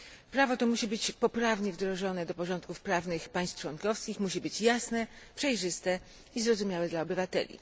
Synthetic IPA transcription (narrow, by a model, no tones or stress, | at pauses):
pɾavɔt̪ɔmuɕibɘt͡ɕpɔpɾavɲɛvd̪ɾɔʐɔnɛd̪ɔpɔʐɔnt̪̚kufpɾavnɘxpaj̃st̪t͡ʂwɔnkɔfskʲixmuɕibɘt͡ɕjasnɛpʂɛjʐɘst̪ɛ | izɾɔzumʲjawɛd̪laɔbɘvat̪ɛ̰lʲḭ